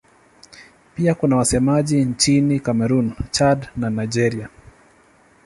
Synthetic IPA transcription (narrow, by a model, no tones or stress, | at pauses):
piakunawasɛmaʄint͡ʃinikamɛɾunt͡ʃadnanajd͡ʒɛɾia